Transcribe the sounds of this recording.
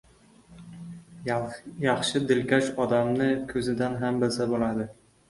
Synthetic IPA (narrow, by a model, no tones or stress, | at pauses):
jɑχʃɪd̪ɪlkʲaʃɒd̪amnɪkʲʰɵzɪd̪anɦambɪzabolad̪ɪ